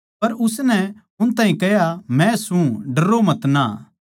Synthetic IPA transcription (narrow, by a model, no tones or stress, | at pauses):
pɐɾʊsnɛ | ʊnt̪ãːɦĩkɛɦjamɛ̃sũɖɐɾomɐt̪naː